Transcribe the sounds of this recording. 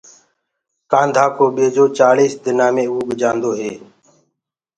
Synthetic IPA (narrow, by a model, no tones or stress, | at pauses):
kãːnd̪ʱaːkoːɓeːd͡ʒoːt͡ʃaːliːsd̪ɪnaːmẽːuːɡd͡ʒãːnd̪oːɦeː